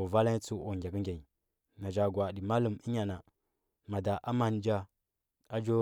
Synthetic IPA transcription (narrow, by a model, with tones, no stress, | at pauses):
va˦la˦i˦t͡su˦ʔo˨ŋɡʲa˨kə˦ŋɡʲa˨ɲi˨ | na˨d͡ʒa˨ɡwa˨di˨ma˦lu˦˨mi˦ɲa˨na˨ | ma˨da˨ʔa˦ma˨n˦d͡ʒa˦ | a˦d͡ʒo˦